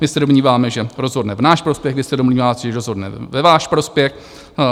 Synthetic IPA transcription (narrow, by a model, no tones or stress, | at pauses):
mɪsɛdomɲiːvaːmɛʒɛɾo̞zɦo̞dnɛvnaːʃpɾo̞spjɛɣvɪsɛdomɲiːvaːt̪ɛʒɛɾozɦo̞dnɛvɛvaːʃpɾo̞spjɛx